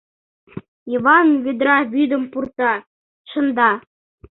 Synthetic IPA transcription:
iʋɑnvʲed̪ɾɑβyd̪ə̆mpurt̪ɑ | ʃɤ̆nd̪ɑ

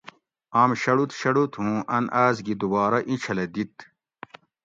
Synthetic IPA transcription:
aːmɕɐɽut̪ɕɐɽut̪ʰɦũːʔɐnʔaːzɡid̪ubaːɾɐʔĩt͡ɕʰɐlɐd̪it̪

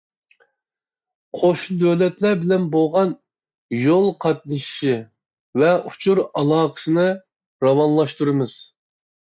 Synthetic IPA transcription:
qʰoʃud̪øvlɛt̪lɛɾbɪlɛnboʁɑn | jolˠqʰɑt̪̚nɨʃi̥ʃi | vɛʔut͡ʃʰuɾɑlˠɑːqʰə̥sɨnɨ | ɾɑwɑnlˠɑʃt̪uɾɨmɨz̥

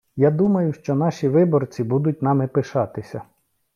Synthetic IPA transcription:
jad̪umɐjʊʃt͡ʃɔnɑʃʲiʋɪbɔrt͡sʲibud̪ʊt̚ʲnɑmɪpɪʃɑt̪ɪsʲɐ

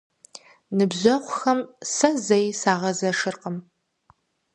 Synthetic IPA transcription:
nɨbʑɐqʷʊxɐmsɐzɐjsaːʁɐzɐʂɨrqəm

